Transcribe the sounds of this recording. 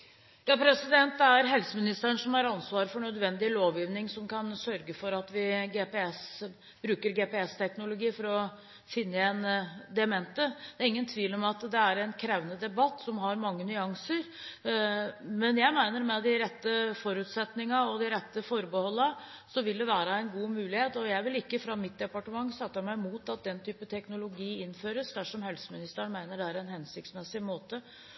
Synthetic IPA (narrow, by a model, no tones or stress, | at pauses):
jɑːpʰɾɛsɪd̪ɛnt̪ːæɾɦɛlsəmɪnɪst̪əəɳsɔmhɑɾɑnsʋɑːɾfɔɳœd̪ʋɛnd̪ɪloːʋjiːʋnɪŋsɔmkʰɑnsœɾɡəfɔɾɑt̪ʋɪɡepɛɛs | bɾʉːkəɾɡepɛɛst̪ʰɛknʊlʊɡiːfɔɾɔ | fɪnːəɛnd̪ɛɛmɛnt̪əd̪æɾɪŋːənt̪ʰʋiːlɔmɑt̪d̪ɛæɾɛnkʰɾæʋənəd̪ɛbɑt̪ːsɔmɦɑɾmɑŋːənʏɑŋsəɾ | mɛnjæɪmæɪnəɾmɛd̪ɪɾɛt̪ːəfɔɾʉːt̪sɛt̪nɪŋɑɔd̪ɪɾɛt̪ːəfɔɾbəhɔlːɑ | sɔʋɪld̪ɛʋæːɾɑɛɪnɡuːmʉːlɪheːt̪ɔjæɪʋɪlɪkːəfɾɑmɪt̪̚d̪ɛpɑʈəmɑŋːsɑt̪ːəmæɪmuːt̪ɑt̪̚d̪ɛnt̪ʰyːpət̪ʰɛknʊlʊɡiːɪnføːɾəsd̪æʂɔmhɛlsəmɪnɪst̪əɳmæɪnəɖɛæɾɛnhɛnsɪk̚t̪smɛsɪmoːt̪ə